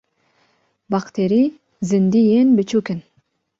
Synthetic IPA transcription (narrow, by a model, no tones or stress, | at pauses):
bɑqt̪eɾi | zɪnd̪ijenbet͡ʃuken